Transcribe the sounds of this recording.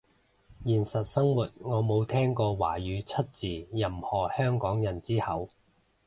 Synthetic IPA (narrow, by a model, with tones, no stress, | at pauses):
jiː˨˩nsɐ˨t̚sɐ˥ŋwuː˨t̚ŋɔː˨˧mo˨˧wt̪ʰɛː˥ŋkɔː˧wa̰ː˨˩jyː˨˧t͡sʰɐ˥t̚t͡siː˨˩jɐ˨˩mhɔː˨˩hœː˥ŋkɔː˨˥ŋjɐ˨˩nt͡siː˥hɐ˨˧w